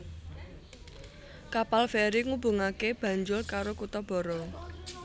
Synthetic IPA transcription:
kapalfɛɾiŋubṳŋakeb̥ä̤ɲd͡ʒʊrkaɾokut̪ɔb̥ɔ̤ɾɔ

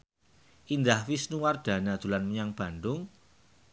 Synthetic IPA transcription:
ʔind̪ahfisnuward̪̥a̤nad̪̥ṳlanməɲaŋb̥a̤nd̪ʊŋ

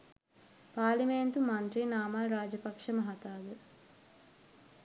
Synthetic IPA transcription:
paːliment̪umant̪ɾinaːmalɾaːd͡ʒəpɐkʂəmɐɦat̪aːɡə

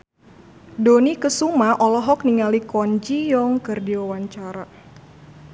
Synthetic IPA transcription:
donikəsumaʔɔlɔɦɔk̚niŋalikɔɲd͡ʒijɔŋkərdiwawaɲt͡ʃaɾa

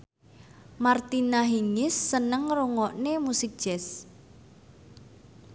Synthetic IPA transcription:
mart̪inaɦiŋɪsːənəŋruŋɔʔnemusɪk̚d̥ʒ̥ɛs

